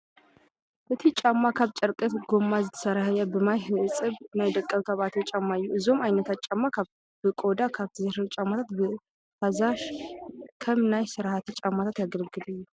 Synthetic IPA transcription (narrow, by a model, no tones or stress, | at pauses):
b̥ət̪ʰit͡ʃʼamːakʰaβt͡ʃʼəɾkʼət̪ɡomːazɨt̪ʰə̥səɾahajabəmajhɨɨsʼɨβɨnajd̪əkʼːəβt̪ʰaβat̪ʰt͡ʃʼamːajːuʔɨzomajnət̪at͡ʃʼːamːak | b̥əkʼod̪akʰaβt̪ʰɨzaʃat͡ʃʼamːat̪ʰat̪bə | hazaʃ | kʰəmɨnajsɨɾhat̪ʰɨt͡ʃʼamːat̪ʰat̪jaɡəɾɡɨd̪ɨjːu